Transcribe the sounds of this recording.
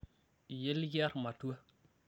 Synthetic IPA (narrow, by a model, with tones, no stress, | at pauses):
je˦lja˦ɾma˨tu˦a˦